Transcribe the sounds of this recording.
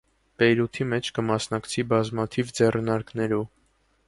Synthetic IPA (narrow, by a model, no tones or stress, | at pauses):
pɛjɾut̪ʰimɛt͡ʃʰkəmɑsn̪ɑkt͡sʰibɑzmɑt̪ʰivd͡zɛrnɑɾknɛɾu